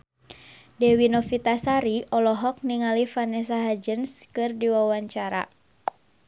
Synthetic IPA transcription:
dɛwinɔfit̪asaɾiʔɔlɔɦɔk̚niŋalifanɛsaɦad͡ʒənskɨrdiwawaɲt͡ʃaɾa̰

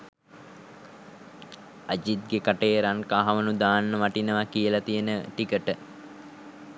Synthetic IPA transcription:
ad͡ʒit̪̚ɡekaʈeːɾaŋkaːɦaʋənud̪aːnːəʋaʈinəʋakijəlat̪ijənəʈikəʈə

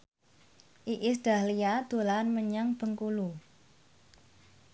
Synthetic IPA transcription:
ʔiʔɪsd̥ä̤hlijad̪̥o̤lanməɲaŋb̥ə̤ŋkulu

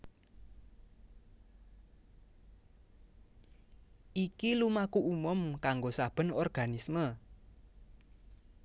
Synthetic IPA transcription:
ʔikilumakuʔumʊmkaŋɡosab̥ə̤nɔrɡ̥anismə

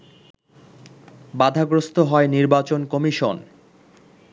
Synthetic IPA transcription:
bad̪ʱaɡɾost̪oɦɔeniɾbat͡ɕonkɔmiʃon

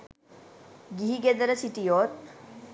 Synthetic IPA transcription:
ɡiɦiɡed̪əɾəsiʈijoɾ

